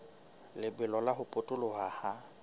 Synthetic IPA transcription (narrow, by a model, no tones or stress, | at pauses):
lɪbɪlɔlaɦʊpʼʊtʼʊlʊhaha